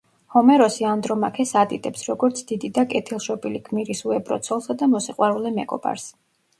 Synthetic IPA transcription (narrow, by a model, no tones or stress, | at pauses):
hɔmɛɾɔsiand̪ɾɔmakʰɛsad̪it̪ʼɛpsɾɔɡɔɾt̪sʰd̪id̪id̪akʼɛt̪ʰilˠʃɔpʼilikʰmiɾisuɛbɾɔ̰t̪sʰɔlˠsad̪amɔsiqʼwaɾulɛmɛɡɔba̰ɾs